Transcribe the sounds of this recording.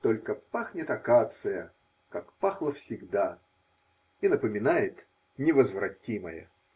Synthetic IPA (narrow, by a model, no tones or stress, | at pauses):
t̪olʲkəpaxnʲɪt̪ɐkat̪sɨjə | kakpaxlˠəfsʲɪɡd̪a | inəpəmʲɪnajɪt̪ | nʲɪvəzvrɐtʲimə̰jə̰